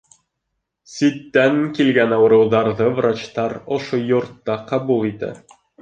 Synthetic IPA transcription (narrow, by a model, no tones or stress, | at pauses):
sit̪ːæŋkilɡænɑwɤ̆ɾɤ̆wðɑɾðɤvrat͡ɕt̪ɑɾŏʃojŏɾt̪ːɑqɑbulˠit̪æ̰